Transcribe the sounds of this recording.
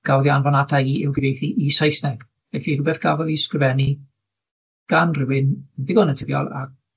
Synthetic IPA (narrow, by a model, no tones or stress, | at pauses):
ɡ̥awðjanvɔnadaiɪwɡɾejθiʔisajsnɛɡ̥ | vɛɬiɾʊbɛθɡ̥avɔðiskrɪvɛni | ɡ̥anrɪwɪnðɪɡɔnətʰəvjɔ̰lˠa̰